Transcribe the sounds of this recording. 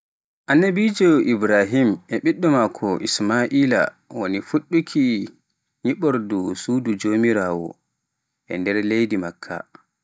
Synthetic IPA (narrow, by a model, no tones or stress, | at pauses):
ʔanːabid͡ʒɔʔibɾaɦimɛɓiɗːɔmakʰɔʔismaʔiːla̰ | wonifuɗːukʰi | ɲiɓɔɾdɔsuːdud͡ʒoːmiɾaːwɔ̰ | ʔɛ̰ndɛɾlejdimakʰːa̰